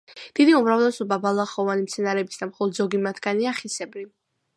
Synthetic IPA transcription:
d̪̥id̪iumɾavlˠɛsɔbabalˠaχɔvanimt̪sʰɛnaɾɛbi̥sd̪amχɔlɔd̪zɔɡimat̪ʰɡaniaχisɛbli

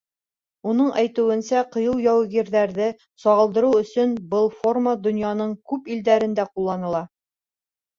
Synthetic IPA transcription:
unɤɴʔæjt̪ʉ̆wɘ̆nsæqɤ̆jɤlˠjɒwɡiɾðæɾðɘ | sɒʁɤlˠd̪ɤ̆ɾuɵ̆sɵnbɤlˠformad̪ŏnjɑnɤɴkʉpild̪æɾɘ̆nd̪æqulˠːɑnɤ̆lˠɑ

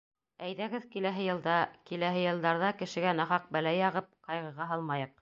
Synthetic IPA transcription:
æjðæɡɘðkilæɦɘjɤ̆lˠd̪ɑkilæɦɘjɤ̆lˠd̪ɑɾðɑkɘ̆ʃɘ̆ɡænɑχɑq̚bælæjɑʁɤp̚qɑjʁɤ̆ʁɑɦɑlˠmɑjɤq̚

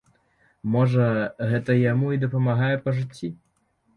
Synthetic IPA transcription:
mɔʐɐɣɛt̪ɐjamuid̪ɐpɐmaɣajɛpɐʐɨt͡sʲːi

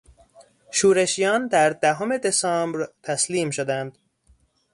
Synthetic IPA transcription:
ʃuːɾeʃijɒːnd̪æɾd̪æɦome̞d̪esɒːmbɾt̪ʰæsliːmʃod̪ænd̪

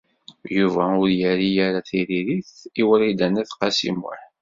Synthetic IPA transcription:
juvæʊɾjæɾijaɾaθiɾiɾiθiwəɾid̪ænæθqɑsḭmʊ̰ħ

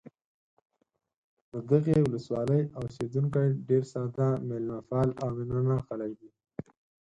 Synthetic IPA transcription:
d̪əd̪əɣewʊləswɑləjawsed̪uŋkajɖeɾsɑd̪ãmelmafɑːlawmɪnanaxalakd̪i

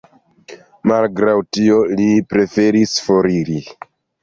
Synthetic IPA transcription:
malɡɾawtio̞lipɾe̞fe̞ɾisfo̞ɾiɾi

